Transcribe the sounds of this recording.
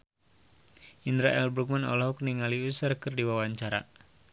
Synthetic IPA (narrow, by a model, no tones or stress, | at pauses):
inɾaʔɛlbɾuk̚manɔ̰lɔɦuk̚niŋaliusarkɨrdiwawaɲt͡ʃaɾa̰